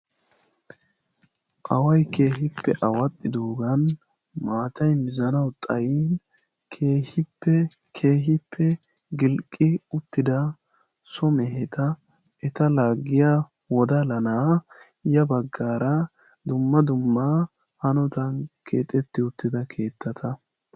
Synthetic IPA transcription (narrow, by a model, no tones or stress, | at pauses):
ʔɐwɐjkeːɦɪpːɛʔɐwɐt̪ʼːɪd̪oːɡɐn | maːt̪ɐjmɪzɐnɐwt̪ʼɐjiːn | kʰeːhɪpːɛ | kʰe̞ːɦɪpʰːɛ | ɡɪlkʼːɪʊt̪ːɪd̪ɐ | sɔmɛɦɛt̪ɐ | ʔɛt̪ɐlaːɡːɪja | wɔd̪ɐlɐnaː | jɐbɐɡːaːɾɐ | d̪ʊmːɐd̪ʊmːa | hɐnɔt̪ɐnkʰḛːt̪ʼːɛt̪ːɪʊt̪ːɪd̪ɐkʰe̞ːt̪ːɐt̪ʰɐ